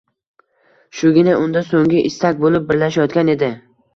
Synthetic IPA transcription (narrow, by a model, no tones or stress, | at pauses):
ʃʊɡʲɪnaʔʊnd̪asoŋɡʲɪʔɪst̪ak̚ʲbolɪp̚bɪɾlaʃajɒt̪kʲane̞d̪ɪ